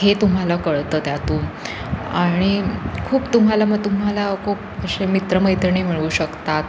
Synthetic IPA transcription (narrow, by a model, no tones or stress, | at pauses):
ɦet̪um̤alakəɭt̪əːt̪jat̪ũ | aɽ̃ikʰuːpt̪um̤alaməɡt̪um̤alakʰuːp̚əɕemit̪ɾəməɦjt̪ɾəɳem̤iɭuːɕəkt̪at̪̚